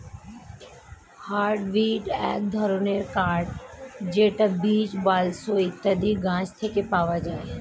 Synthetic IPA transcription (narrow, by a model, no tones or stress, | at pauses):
haːɾɖʋiːɖɛ̰ːk̚d̪ʱəɾoːneːɾkaːɾɖd͡ʒeːʈɐbiːt͡ʃbaːlsoːit̪ɐd̪iɡãːt͡ʃt̪ʰeːkepaːʋad͡ʒaːe